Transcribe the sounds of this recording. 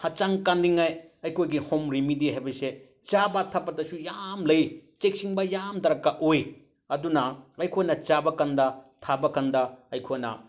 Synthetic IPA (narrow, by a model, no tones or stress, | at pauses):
hɐt͡ʃaŋkanɾiŋajɐjkʰojɡihomɾimidiɦajbɐse | t͡ʃabɐtʰɐpːɐtɐsujamlɐjt͡ʃek̚siŋbɐjamtɐɾɐkːaʔoj | ɐdunɐɐjkʰojnɐt͡ʃabɐkandɐtʰabɐkandɐɐjkʰojnɐ̰